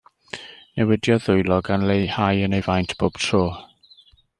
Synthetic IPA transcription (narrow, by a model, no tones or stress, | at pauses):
nɛwɪdjɔðʊjlˠɔɡanlejhajənejvajntʰb̥oːb̥tʰroː